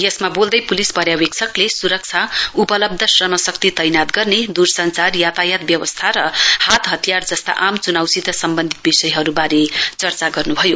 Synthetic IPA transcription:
jesmabold̪ʌjpulispʌɾjawek̚t͡sʰʌklesuɾʌk̚t͡sʰaupʌlʌb̚d̪ʱʌsrʌmʌsʌkt̪it̪ʌjnat̪ɡʌrned̪ursʌnt͡sarjat̪ajat̪bjʌwʌst̪ʰaɾʌhat̪ɦʌt̪ijard͡zʌst̪a̰ʔamt͡sunawsit̪ʌsʌmbʌnd̪ʱit̪̚bisʌjɦʌɾubaɾet͡sʌrt͡saɡʌrnubʱʌjo

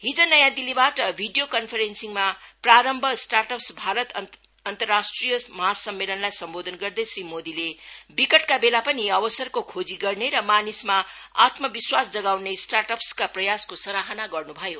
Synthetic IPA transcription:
ɦid͡zʌnʌjãd̪ilibaʈʌbʱiɖijokʌnpʰʌɾensiŋmapraɾʌmbʱʌsʈaʈʌpsbʱaɾʌt̪ | ʌnt̪ʌrːasʈrijʌsmʌɦasʌmːelʌnlajsʌmbod̪ʱʌnɡʌrd̪ʌjsrimod̪ilebikʌʈkabelapʌniʌbʌsʌrkokʰod͡ziɡʌrneɾʌmanismaat̪mʌbiswasd͡zʌɡawnesʈarʈʌpskaprʌjaskosʌɾaɦʌnaɡʌrnubʱʌjo

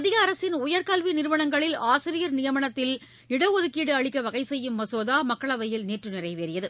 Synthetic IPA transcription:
ɐðɪɣɐːɾɐsɪnʊjɐɾkaːlʋinɪɾɯʋɐɳɐŋɡɐɭɪlaːsɪɾɪjɐɾnɪjɐmɐɳɐt̪ːɪl | ɪɽɐoðɯkːiːɽɯɐɭɪkːɐʋɐɣɐɪsɛjːɯmːɐsoːðaːmɐkːɐɭɐʋɐjɪlneːʈrɯnɪrɐɪʋeːɾɪjɐðɯ

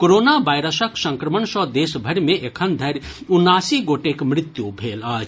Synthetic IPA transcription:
koɾonabajɾəsəksə̃ŋkɾəmənsɔd̪esbʱəɾmeʔekʰənd̪ʱəɾ | unːasiɡoʈekmɾɪt̪jubʱelaːd͡ʒ

